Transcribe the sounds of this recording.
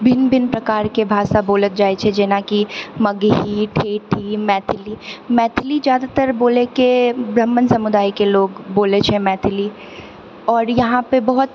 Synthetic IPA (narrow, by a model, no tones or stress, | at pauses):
bʱɪnbʱɪnpɾɐkaːɾkebʱaːʃaboːlət̪̚d͡ʒaːet͡ʃʰed͡ʒeːnakimɐɡɦiʈʰeːʈʰimɛːt̪ʰɪliːmɛːt̪ʰlizjaːd̪at̪əɾboːlekebɾəmːənsɐmʊd̪aːikeloːɡboːlet͡ʃʰemɛːt̪ʰɪli | ɔːɾjɐɦãpebɔɦʊt̪